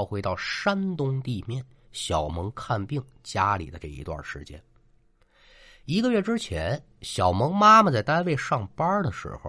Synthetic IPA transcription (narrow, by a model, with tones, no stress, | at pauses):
ʊxwe˧˥ɪt̪ɑ˥˩ʊʂa˥nt̪ʊ˥ŋt̪i˥˧mjɛ˥˩nɕjɑ˨˩ʊmɤ˧˥ŋkʰa˥˧npi˥˩ŋt͡ɕja˥lḭ˨˩d̪ə˦ʈ͡ʂɤ˥˩ḭ˧˥t̪wa̰˥˩ʂɻ̩˧˥t͡ɕjɛ̰˥n | i˧˥ɡə˧ɥɛ˥˩ʈ͡ʂɻ̩˥t͡ɕʰjɛ˧˥n | ɕjɑ˨˩ʊmɤ˧˥ŋma˥mə˨t͡sa˥˩ɪt̪a˥nwe˥˧ɪʂɑ˥˩ŋpɐ˥d̪ə˨ʂɻ̩̰˧˥xo̰˧